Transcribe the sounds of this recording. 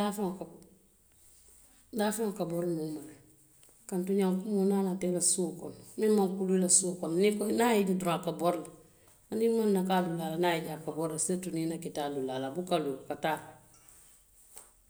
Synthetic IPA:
dafak | dafaŋkabɔɾlmumal | kantuɲaŋkumonanatelasuːkɔnmimaŋkuluilasuːkɔnnikɔnajididuɾakabɔɾla | animanːakalulalanajiɟakabɔɾlasetuninakitalulalabukalukataː

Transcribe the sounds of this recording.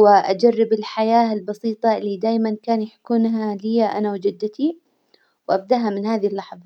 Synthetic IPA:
wɪʔad͡ʒarːɪbɪlħajaːɪlbɑsiːt̪ˤɑlːiːd̪aːjmankaːnjaħkʊnɦalɪjaʔanawd͡ʒɪd̪ːɪt̪i | wʔab̚d̪aʔɦamɪnhaːðihlːɑħðˤɑ

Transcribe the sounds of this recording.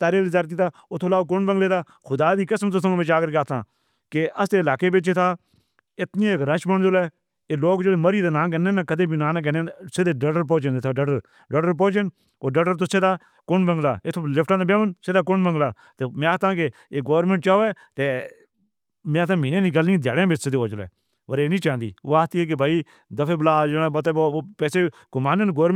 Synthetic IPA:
t̪aːɾeːlɪzaːɾt̪̬iːt̪ʰaːʊt̪ʰoːlaːok̬ʊnbə̃ŋɡleːt̪aː | xʊd̪aːd̪iːkəsmt̪̬ʊsʰəʋɪt͡ʃaːkəɾkaːt̪ʰã̰ː | kɪʔəst̪eːɪlaːkeːbɪt͡ʃeːt̪ʰaː | ɪt̪nĩːeːkɾə̃t͡ʃbəɳd͡ʒolɛː | eːloːkd͡ʒəleːməɾiːd̪eːnãːk̬ɛːnẽːnaːkəd̪ẽːbiːnãːnãkɛnẽːseːd̪eːɖəɖəɾp̬õːt͡ʃənd̪eːt̪ʰaːɖəɖəɾ | ɖəɖəɾp̬õːt͡ʃɪn | oːɖəɖəɾt̪ʊseːd̪aː | kʊnbəŋɡlaːeːt̪ʰːolɪpʰʈãːd̪abeːʋənseːd̪aːk̬ʊnbə̃ŋɡlaː | t̪eːmɛ̃ːt̪ãːke | eːɡoːɾmẽːɳʈ̚t͡ʃaːoːɛː | t̪eː | mẽːt̪ãːmeːnẽːnĩːɡəlnĩːd̪ʱja̰ːɽẽːbesɪd̪eːoːd͡ʒəlɛ̰ː | pəɾeːnĩːt͡ʃãːnd̪ḭːo̰ːaːt̪iːɛːk̬ebʱaːiː | d̪əfʰeːblaːd͡ʒəɽãːbət̪eːboːpɛːseː | ɡ̥ʊmaːnənɡoːɾ

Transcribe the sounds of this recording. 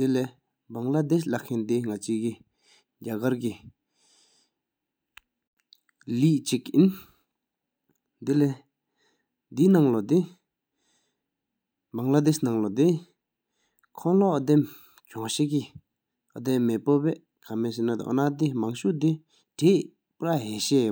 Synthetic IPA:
d̪̥ile | baŋlad̪eslakʰent̪iŋat͡ɕiːki | ɟakarki | liːʔt͡ɕikʔin | d̪ile | d̪inaŋlɔd̪i | baŋlad̪esnaŋlɔd̪e | kʰɔŋloʔɔd̪em | t͡ɕɔŋɕeki | ʔad̪emmepopɛ | kʰamesenat̪a̰ʔɔ̰nat̪̬imaŋɕuʔt̪i | ʈ͡ʂeːʔ | pɾaɦeːɕeː

